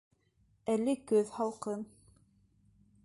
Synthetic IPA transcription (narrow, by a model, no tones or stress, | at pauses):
ælɘkɵðhɑlˠqɤn